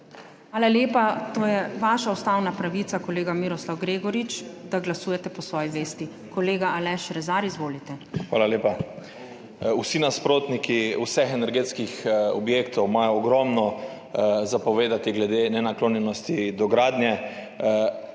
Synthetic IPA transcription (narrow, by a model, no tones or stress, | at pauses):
ʋaːlaleːpat̪oːjɛʋaːʃaust̪aːwnapɾaʋit̪akɔleːɡamiːɾɔslawɡɾeːɡɔɾit͡ʃd̪aɡlasuːjɛt̪ɛpɔsʋɔːjiʋeːst̪i | kɔleːɡaalɛʃɾɛzaːɾizʋoːlit̪ɛxʋaːlaleːpa | usinaspɾoːt̪nikiusɛxɛnɛɾɡeːt̪skixɔbjeːkt̪ʰɔwmajɔːɡɾɔmnɔ | zapɔʋeːd̪at̪iɡlɛd̪enɛnakloːnjɛnɔst̪id̪ɔɡɾaːd̪njɛ